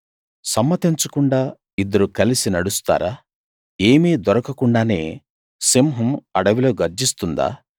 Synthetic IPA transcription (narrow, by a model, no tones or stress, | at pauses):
sɐmːɐt̪iɲt͡ʃɐkuɳɖaː | id̪ɐɾukɐlisinɐɽust̪a̰ːɾaː | e̞ːmid̪ɐɾɐkɐkuɳɖaːne̞ː | simɦɐmɐɽɐʋilo̞ːɡɐɾd͡ʒist̪und̪a̰ː